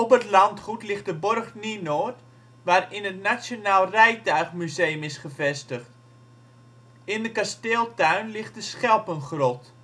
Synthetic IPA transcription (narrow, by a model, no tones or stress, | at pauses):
ɔpətlɑntχutlɪχt̚dəborxninoːt | ʋaːrɪnətnasjonaːlˠrɛjtœɥχmyzejəmɪsχəvɛstəχt | ɪndəkasteːlˠtœɥnlɪχt̚dəsχɛlˠpənχrɔt